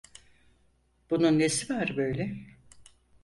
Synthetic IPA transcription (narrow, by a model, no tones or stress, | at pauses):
b̥ununːesivaɾbø̞jlʲɛ